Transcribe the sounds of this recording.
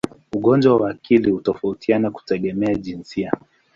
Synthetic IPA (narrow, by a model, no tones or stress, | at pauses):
uɠɔnd͡ʒwawaːkilihutɔfautʰianaku̥tɛɠɛmɛaʄinsia